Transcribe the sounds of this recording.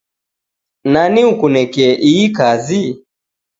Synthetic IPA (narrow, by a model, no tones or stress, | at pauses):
naniukunɛkɛʔiːkazi